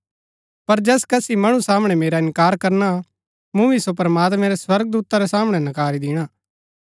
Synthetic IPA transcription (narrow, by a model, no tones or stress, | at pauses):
pɐɾd͡ʒɛːskɐsimɐɽ̃ũsaːmɽ̃ɛmeːɾaɪ̃nkaːɾkɐɾna | mũʋisopɾɐmaːt̪mɛ̃ɾɛswɐɾɡ̚d̪uːt̪aɾɛsaːməɽ̃ɛnɐkaːɾid̪ɪɽ̃aː